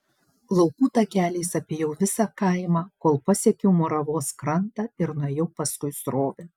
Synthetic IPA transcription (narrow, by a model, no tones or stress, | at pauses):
lˠɒʊkuːt̪ɐkʲæːlʲɛɪsɐpʲeːjɛʊʋʲɪsɑkɐˑɪmɑːkoːlˠpɐsʲɛkʲɛʊmoːɾɐʋoːskɾɐnt̪ɐɪɾnuɔjɛʊpɐskʊɪsɾoːʋʲɪ